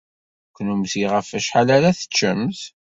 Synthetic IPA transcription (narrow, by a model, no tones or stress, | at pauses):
kʷːnumsiʁəfæʃħalaɾæθə̥t͡ʃːəmθ